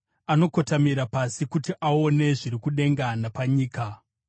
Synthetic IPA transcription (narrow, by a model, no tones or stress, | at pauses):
ano̞ko̞tamiɾapasikutiʔao̞ne̞ʐiɾikuɗe̞ŋɡanapaɲiːka